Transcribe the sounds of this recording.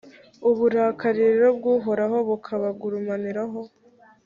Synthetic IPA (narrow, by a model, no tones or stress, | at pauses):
uβuɾaːkaɾiɾeɾobɡuːɦo̞ɾaɦo̞βukʰaβaɡuɾumaniɾaɦo̞